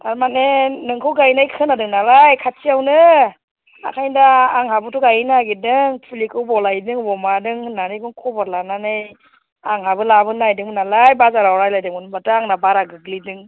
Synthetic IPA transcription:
aɾmanenɯŋkʰɯwɡajnajkʰɯnadɯŋnalajkʰatiawnɯ | a̰kʰajndaːŋhabɯtuɡajnaɡidɯŋpʰulikʰɯwbɔlajdɯŋbɔmadɯŋnanikɯŋkʰɔbɔɾlananɯj | aŋɦabɯlabɯnajdɯŋnalajbazaɾawɾajlajdɯŋunbataːŋnabaɾaɡɯɡlidɯŋ

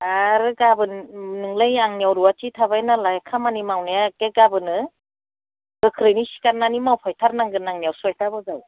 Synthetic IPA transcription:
aɾɯɡabɯnnɯŋlajaŋnijawɾuwatitʰaβajnalajkʰamanimawnajakeɡabɯnɯ | ɡɯkʰɾɯnisi̥kanːanimawpʰajtʰaɾnaŋɡɯnaŋnijawsuajtʰabɯzal

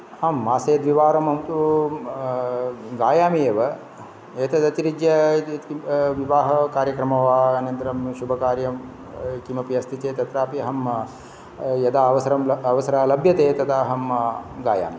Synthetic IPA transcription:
aːmːaːseːd̪ʋiʋaːɾɐmɐmt̪u | ɡaːjaːmieːʋɐ | eːt̪ɐd̪ɐt̪iɾid͡ʒjɐ | ʋiʋaːɦɐkaːɾjɐkɾɐmɐʋaːɐnɐnt̪ɐɾɐmʃubʱɐkaːɾjɐm | kimɐpiɐst̪it͡ʃeːt̪ɐt̪ɾaːpiɐɦɐm | jɐd̪aːɐʋɐsɐɾɐmɐʋɐsɐɾaːlɐbʱjɐt̪eːt̪ɐd̪aːɦɐmɡaːja̰ːmi

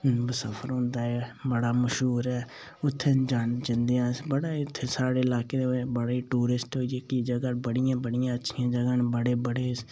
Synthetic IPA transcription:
bəsəpʰəɾɦʊ̃ːnd̪aːɛːbəɽaːməʃɦuːɾɛː | ʊt̪ʰːed͡ʒand͡ʒɪnd̪ɪjãːsbəɽaːɪt̪ʰːeːsaːɽeːɪlaːkeːd̪ebəɽaːiːʈuːɾɪsʈɦoːiekiːd͡ʒəɡaːbəɽɪjãːbəɽɪjãːətːʃʰɪjãːd͡ʒəɡãːnbəɽeːbəɽeːs

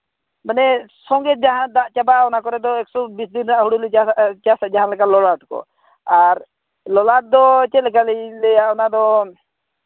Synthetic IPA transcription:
bənɛsɔŋɡɛt̪̚d͡ʒaɦãd̪aʔt͡ʃabaɔnakɔɾɛd̪ɔɛksɔbisd̪inɾaʔɦuɽulɛat͡ʃasad͡ʒaɦãlɛkalɔlaʈ̚kɔ̰ | aɾ | lɔlaʈ̚d̪ɔt͡ʃɛlɛkalɛlɛjaɔnad̪ɔ

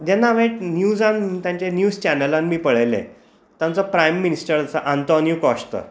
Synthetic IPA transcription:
d̪janːaʋeʈnjud͡zãnt̪jãɲt͡ɕanjuːd͡zt͡ɕænəlãnmiːpəɭəjlḛ̃ | t̪jãnt͡sɔpɾajmːinisʈəɾat͡saʔant̪ɔnjukɔʂt̪ə̰

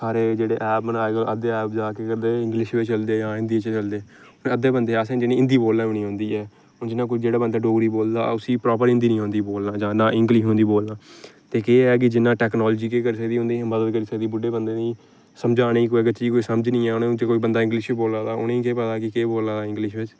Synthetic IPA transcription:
saːɾeːd͡ʒeːɽeːʔɛːp̚bənaːeːɡəʔəd̪eːɛːp̚d͡ʒaːkeːkəɾd̪eːɪ̃ŋɡlɪʃʋeːt͡ʃəld̪eːd͡ʒãːɪ̃nd̪iːt͡ʃt͡ʃəld̪eː | nẽːəd̪eːbənd̪eːaːsẽːd͡ʒɪnĩɪ̃nd̪iːboːlːãːʋɪñĩːɦõːnd̪iːɛː | d͡ʒɪnːãːkoid͡ʒeːɽaːbənd̪aːɖoːɡɾiːboːld̪a̰ːʊsiːpɾɔːp̬əɾɪnd̪iːnĩːɦõːnd̪iːboːlnaːd͡ʒãːnãːʔɪ̃ŋɡliːɦõːnd̪iːboːlnãːt̪eːkeːɛːk̬ɪd͡ʒɪnːãːʈɛːknɔːlːd͡ʒiːkeːkəɾisəkd̪iːõːnd̪iːməd̪əd̪kəɾiːsəkd̪iːbʊɖeːbənd̪eːnĩː | səmd͡ʒaːñiːkoːiɡət͡ʃd͡ʒiːkoːiːsəməd͡ʒnĩːɛːʊnẽt͡ʃkoːiːbənd̪aːɪ̃ŋɡlɪʃʋːboːlãːd̪aːʊ̰nẽːĩːkeːpət̪aːkɪkeːboːlaːd̪aːɪ̃ŋɡlɪʃʋɪt͡ʃ

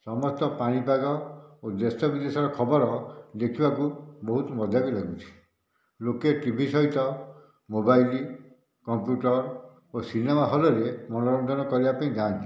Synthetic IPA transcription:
sɔmɔst̪ɔpaɽ̃ipaɡɔod̪est̪ɔbid̪esɔɾɔkʰɔbɔɾɔd̪ekʰibakubɔɦut̪ɔmɔd̪ʱakulaɡut͡ʃʰi̥ | lokeʈibʱisɔɦit̪ɔ | mobajli | kɔmpjuʈɔɾ | osinemaɦɔlɔɾemɔñɔɾɔnd̪ʱɔnɔkɔɾibapaĩɡãːnt̪i

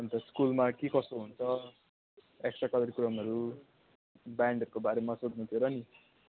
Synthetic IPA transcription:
ʌnt̪ʌskulmakekʌsoɦunt͡sʰʌ | eksʈrakʌd̪ʌɾikuɾʌmʌɾu | baɳɖʱʌɾukobaɾemasod̪nut̪ʰjoɾʌni

